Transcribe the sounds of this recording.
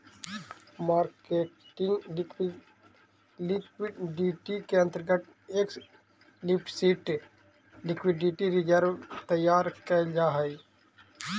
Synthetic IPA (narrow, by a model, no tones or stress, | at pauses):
maːɾkeʈɪŋɡ | lɪwɪɖiʈikeə̃nt̪əɾɡət̪̚ | eːk | lɪp̚ʈsiːʈ | lɪkwɪɖiʈiɾid͡ʒəɾt̪əjːaːɾkɛd͡ʒaːɦɛj